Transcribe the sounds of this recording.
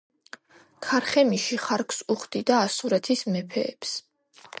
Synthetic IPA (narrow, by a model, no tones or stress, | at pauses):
kʰaɾχɛmiʃiχaɾkʰsuχd̪id̪aːsuɾɛt̪ʰismɛpʰɛ̰ːps